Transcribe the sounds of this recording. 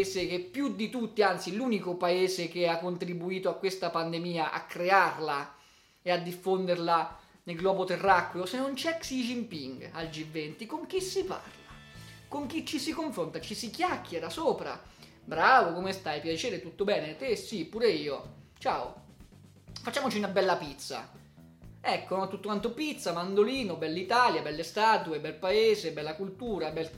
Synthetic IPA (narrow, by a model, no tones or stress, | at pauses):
sek̟epːjud̪ːit̪ut̪ːiant̪siluːnikopaeːzekeakːont̪ɾibuiːt̪oakːwest̪apand̪emiːaʔa̰kːɾearla | ead̪ːifːond̪eɾla | nelɡlɔːbot̪erːakwjosenːont͡ʃɛksid͡ʒimpiŋɡald͡ʒivːɛnt̪ikoŋk̟isːipa̰rlakoŋk̟it͡ʃːisikoɱfɾont̪at͡ʃisikjakːeɾasoːpɾa̰ | bɾaːvokomest̪ajpjat͡ʃɛːɾet̪ut̪ːobɛːnet̪esipːuːɾeiːot͡ʃaːo̰ | fat͡ʃːaːmot͡ʃiunabɛlːapit̪sa̰ | ɛkːonont̪ut̪ːokwant̪opit̪samand̪oliːnobɛlːit̪aːljabɛlːest̪aːt̪uebɛlpaeːzebɛlːakult̪uːɾabɛl